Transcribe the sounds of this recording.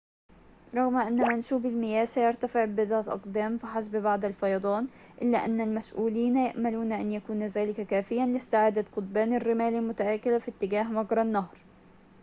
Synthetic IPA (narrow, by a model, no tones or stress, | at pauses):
ɾˤɑɣmaʔanːamansuːbɪlmɪjaːsajɑɾˤt̪afɪʕbɪðɑːt̪ʔɑ̰qd̪aːmfɪħas̬bbaʕd̪alfɑjɑd̪ˤɑːn | ʔɪlːaʔa̰nːalmasʔuːliːnjaʔmaluːnʔanjakuːnzaːlɪkakaːfɪjːanlɪst̪ɪʕaːd̪at̪qʊt̪̚baːnarːɪmaːlɪlmʊt̪aʔaːkɪlafit̪ːɪɡaːɦmɑɡɾˤɑnːaɦɾˤ